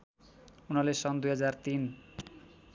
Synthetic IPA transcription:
unʌlesʌnd̪ujɦʌd͡zart̪in

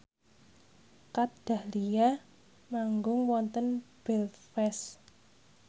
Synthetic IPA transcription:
kad̥a̤hlija | maŋɡʊŋwɔnt̪ənb̥ɛlfɛs

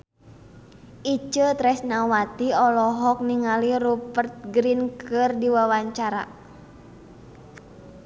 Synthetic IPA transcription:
ʔit͡ʃət̪ɾɛsnawat̪iɔlɔɦɔk̚niŋaliɾupərt̪̚ɡɾinkʰɨrdiwawaɲt͡ʃaɾa̰

